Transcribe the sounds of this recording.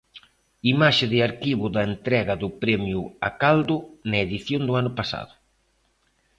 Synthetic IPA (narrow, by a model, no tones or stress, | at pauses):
imaʃɪðɪaɾkiβʊðɐent̪ɾɛɣɐðʊpɾɛmjʊa̰kald̪ʊnɐeðiθjond̪ʊanʊpasa̰ðʊ